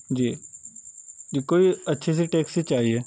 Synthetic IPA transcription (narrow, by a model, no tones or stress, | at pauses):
d͡ʒiː | d͡ʒiːkoːiɐtːʃʰes̬iʈeːksit͡ʃaːɦieː